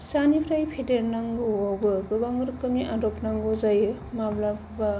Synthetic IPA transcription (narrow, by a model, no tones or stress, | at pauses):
sanipʰɾajpʰedeɾnaŋɡoawbɯɡɯbaŋɡɯɾkɯmiʔaɾɔpnaŋɡɔzajɯ | mablabʰɯba